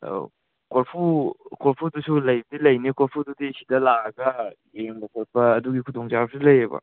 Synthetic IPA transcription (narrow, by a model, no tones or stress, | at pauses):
koɾpʰukoɾpʰudusulɐjbdilɐjnikolpʰududisidɐlaɐɡɐ | jeŋbɐkoɾpʰɐːduɡikʰudoŋt͡ʃabsilɐjebɐ̰